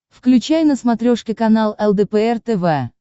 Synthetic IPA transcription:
fklʲʉt͡ɕæjnəsmɐt̪ɾʲoʂkʲɪkɐnalˠɛlˠd̪əɛpɛɛrt̪ɛvɛ

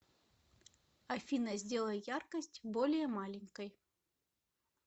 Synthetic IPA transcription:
ɐfʲinəzʲdʲelˠəjarkəsʲtʲbolʲɪjəmalʲɪnʲkəj

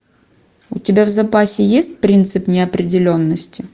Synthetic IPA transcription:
ʊtʲɪbʲavzɐpasʲɪjesʲt̚ʲpɾʲint̪sɨpnʲɪɐpɾʲɪdʲɪlʲo̞nːəsʲtʲɪ

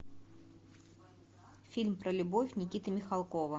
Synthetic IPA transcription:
fʲilʲmpɾəlʲʊbofʲnʲɪk̬ʲit̪əmʲɪxalˠkovə

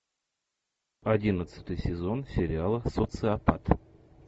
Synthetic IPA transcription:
ɐdʲinət̪sə̥t̪ɨjsʲɪzo̞nsʲɪɾʲɪalˠəsot̪sɨapat̪

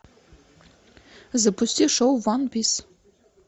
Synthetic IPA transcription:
zɐpust̪ʲiʂowvɑnpis

